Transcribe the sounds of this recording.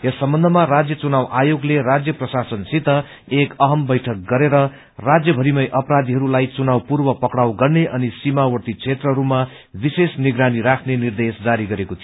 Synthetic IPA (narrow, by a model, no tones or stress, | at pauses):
jesːʌmbʌnd̪ʱʌmarad͡zjʌt͡sunawʔajoɡlerad͡zjʌprʌsasʌnsit̪ːʌ | ekʌɦʌmbʌjʈʰʌk̚ɡʌɾeɾʌ | rad͡zjʌbʱʌɾimʌjʔʌprad̪iɦʌɾulajt͡sunawpurbʌpʌkɽawɡʌrneʔʌnisimawʌrt̪it͡sʰet̪rʌɦʌɾuma | bisesniɡɾaniɾakʰnenird̪esd͡zaɾiɡʌɾekot̪ʰio